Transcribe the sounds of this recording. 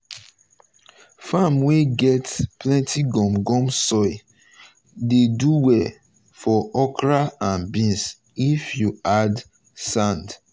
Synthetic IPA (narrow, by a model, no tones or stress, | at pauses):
famweɡɛtplɛ̃ntiɡɔ̃mɡɔ̃msɔɪ | deduwɛ | fɔɔkɹaãnbĩns | ifjuad | sãnd